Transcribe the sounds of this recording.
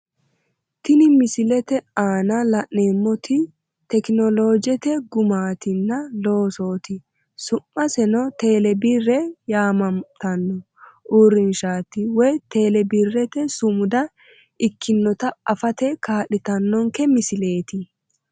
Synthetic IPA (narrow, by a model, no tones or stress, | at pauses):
t̪ɪnɪmɪsɪlɛt̪ɛaːnɐlɐʔːeːmːɔt̪ɪ | t̪ɛknɔlo̞ːd͡ʒɛt̪ɛɡʊmaːt̪ɪnːɐlo̞ːso̞ːt̪ɪ | sʊmːɐsɛnɔt̪e̞ːlɛbɪrːɛjaːmɐmt̪ɐnːɔ | ʔuɾːɪnʃaːt̪ɪwɔjt̪e̞ːlɛbirːɛt̪ɛsʊmʊd̪ɐ | ɪkʰːɪnːɔt̪ɐɐfɐt̪ɛkaːɗɪt̪ɐnːɔŋkɛmɪsɪle̞ːt̪ɪ